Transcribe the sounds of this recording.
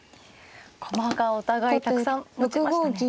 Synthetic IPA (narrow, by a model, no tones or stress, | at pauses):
kʰomahakaot̪aɡait̪aɯsãmot͡sɡoɡʲi